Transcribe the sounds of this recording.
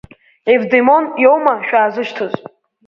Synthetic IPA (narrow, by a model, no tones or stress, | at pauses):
evd̪emonjowmaʃᶣaːzɨʃtʰɨzʼ